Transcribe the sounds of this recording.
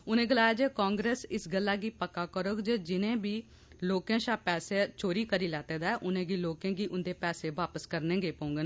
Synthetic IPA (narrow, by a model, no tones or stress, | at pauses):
ʊnẽːɡɪlaːjaːd͡ʒeːkãːŋɡɾeːsɪsɡəlːaːɡiːpəkːaːkəɾoːɡd͡ʒeːd͡ʒɪnẽːbiː | loːkẽːʃaːpɛːseːt͡ʃoːɾiːkəɾiːlɛːt̪eːd̪aːɛʔʊnẽːɡiːloːkẽːɡiːʔʊnd̪eːpɛːseːʋaːpəskəɾnẽːɡeːpəʊ̃ŋɡən